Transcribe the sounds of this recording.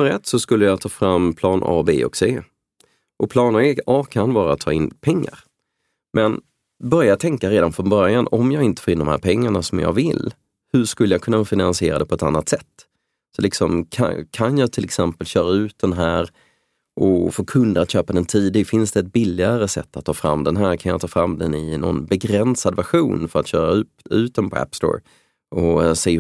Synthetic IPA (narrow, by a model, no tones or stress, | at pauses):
məɾɛt̪ːsɔskɵlːəjɑt̪ʰɑːfɾamːpʰlɑːnʔɑ̰ːbḛːɔ̰kseː | ʔɔpʰlɑːnəeːɑːkʰanvɑːɾa̰t̪ʰːɑ̰ːɪnpʰɛŋːa̰ɾ | mʔɛn | bœɾjat̪ʰɛŋkaɾeːd̪anfɾɔnbœɾjanɔmjɑːɡɪnt̪ə̥foːɪnd̪ɔmhæ̰ːɾpʰɛŋːaɳasɔmjɑ̰ːɡvɪl | hɵʂkɵlːəjakʰɵnːafɪnansɪḛːɾad̪ɛpʰɔɛt̪a̰nːat̪sɛt̪ː | sɔlɪksɔmkʰa̰kʰanjɑːɡt̪ʰɪlɛksɛmpəlɕœːɾaʉ̟ːt̪̚d̪ɛnɦæːɾ | ʔɔfoːkʰɵnd̪əat̪ɕøːpad̪ɛnt̪ʰiːd̪ɪɡfɪnsd̪ɛːt̪̚bɪlːɪaɾəsɛ̰t̪ːat̪ʰːɑːfɾa̰mːd̪ɛnɦæːɾkʰanjɑ̰t̪ʰɑːfɾamd̪ɛnɪnɔ̰nbɛɡɾɛnsad̪væɧuːnfœɾat̪ɕœːɾaʉ̟ːt̪ʉ̟ːt̪̚d̪ɛnpʰɔæ̰pst̪o̰ːɾ | ɔsɛː